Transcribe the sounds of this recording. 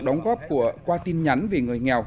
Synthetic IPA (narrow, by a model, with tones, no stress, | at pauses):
ɗə˨˦wŋ͡mɣɔ˦˥p̚ku˧˩əkwaː˧t̪i˧nɲa˨˦nvi˨˩ŋɨ˨˩əjŋɛ˨˩w